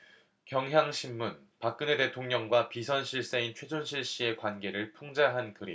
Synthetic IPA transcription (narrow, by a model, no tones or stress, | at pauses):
kjʌŋɦjaŋɕʰimːun | pak̚k͈ɯne̞te̞tʰoŋɲʌŋɡwapisʰʌnɕʰiɭs͈eint͡ɕʰwe̞d͡ʑonɕʰiɭɕ͈ie̞kwanɡe̞ɾɯɭpʰoŋd͡ʑaɦankɯɾi